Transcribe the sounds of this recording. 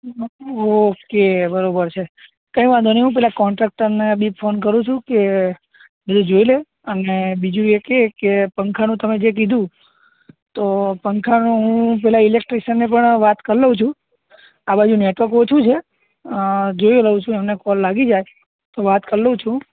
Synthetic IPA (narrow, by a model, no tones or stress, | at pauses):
okebəɾobəɾt͡ʃʰe | kə̃ĩʋãd̪ʱoneɦũp̬ɛɦlakɔɳʈɾak̚ʈəɾnebipfʰonk̬əɾũt͡ʃʰũke | bid̪ʱũd͡ʒoile | ənebid͡ʒũekekepəŋkʰanũt̪əmed͡ʒek̬id̪ʱũ | t̪opəŋkʰanũɦũpɛɦlaɪlek̚ʈɾiʃənːep̬əɳʋat̪kəɾləũt͡ʃʰũ | abad͡ʒũneʈʋəɾkot͡ʃʰũt͡ʃʰe | d͡ʒojeləũt͡ʃʰũemnekɔlːaɡid͡ʒaj | t̪oʋat̪kəɾlət͡ʃʰũ